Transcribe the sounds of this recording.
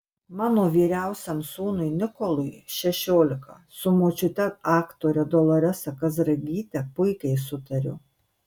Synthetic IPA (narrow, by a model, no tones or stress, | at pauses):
mɑːnoːʋʲiːɾʲæˑʊsʲɛmsuːnʊɪnʲɪkɔlˠʊjʃʲɛʃʲoːlʲɪkɐsʊmoːt͡ʃʲʊt̪ʲɛɑːkt̪oːɾʲɛd̪ɔlˠɐɾʲɛsɐkɐzɾɐɡʲiːt̪ʲɛpʊɪkʲɛɪsʊt̪ɐɾʲʊ̰